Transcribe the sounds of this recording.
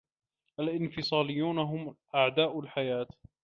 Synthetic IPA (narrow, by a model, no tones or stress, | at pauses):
ʔalʔɪnfɪsˤɑːlɪjːuːnaɦʊmʔaʕd̪aːʔʊlħajaːt̪